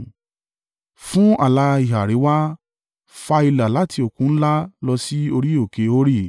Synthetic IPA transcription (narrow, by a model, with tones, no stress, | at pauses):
fũ˦a˨la˧i˨ɦa˨ɾi˨˦wa˦ | fa˧i˧la˨la˨˦tʰi˧o˨kũ˨˦n̩˦la˦lɔ˧si˦o˧ɾi˦o˦˨ke˧˦o˦ɾi˦˨